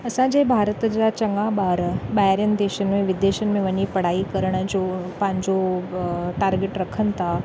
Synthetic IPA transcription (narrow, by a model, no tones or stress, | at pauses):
əsãd͡ʑebʱaɾət̪d͡ʑat͡ɕəŋɡabaɾbajaɾjənd̪eɕənmẽʋid̪eɕənmẽʋənipəɽ̤aiːkəɾɳãt͡ɕopãɲd͡ʑo | ʈaɾɡeʈɾəkʰənt̪a